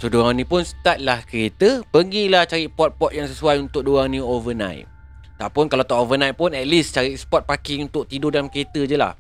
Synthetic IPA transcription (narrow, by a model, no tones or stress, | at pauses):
sodoaŋnĩpʊnsət̪at̪̚lahkəɾet̪əpəɡilaht͡ʃaɾiʔpɔt̪̚pɔt̪̚jaŋsəsuajunt̪ʊk̚doaŋnĩovənã̰jt̪̚ | t̪aʔpʊnkalawt̪ɔʔovənajt̪̚pʊnɛt̪̚list͡ʃaɾiʔsə̥pɔt̪̚pakiunt̪ʊk̚t̪idodalamkəɾet̪əd͡ʒəla̰h